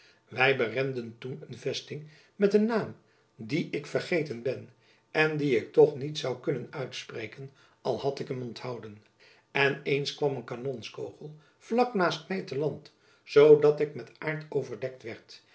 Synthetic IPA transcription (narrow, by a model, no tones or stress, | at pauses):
ʋɛjbərɛndəntunənvɛstɪŋ | mɛtənːaːm | diʔɪkfərχejtənbɛn | ʔɛndiɪk̚tɔχnitsɑwkɵnənœɥtsprejkən | ɑlˠhɑtɪkəmɔnthɑwdən | ɛnejnskʋɑmənkanɔnskowχəlˠ | v̥lɑknaːstmɛjtəlɑnt | zowdɑtɪkmɛtaːɹtowvəɹdɛk̚tʋɛɹt